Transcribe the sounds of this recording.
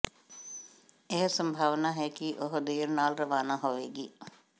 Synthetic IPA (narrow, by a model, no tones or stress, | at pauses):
eɦə̆səmbʱaːʋənaːɦɛkiːʔoɦəd̪eːəɾnaːlɾəʋaːnaːɦoʋeːɡiː